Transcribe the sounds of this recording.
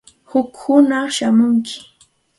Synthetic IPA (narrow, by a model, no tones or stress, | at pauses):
hʊkhʊnaχʃamʊŋkʰɪ̥